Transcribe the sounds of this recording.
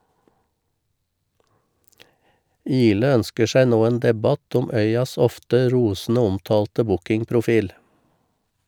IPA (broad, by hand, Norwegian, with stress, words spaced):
ˈiːlə ˈœnskə ˈʃæɪ ˈnoː ˈeːn ˈdɛˌbɑt ˈʊm ˈœʏɑs ˈɔftə ˈɾuːsn̩ə ˈɔmtɑːltə ˈbʊkɪŋpɾʊˌfiːl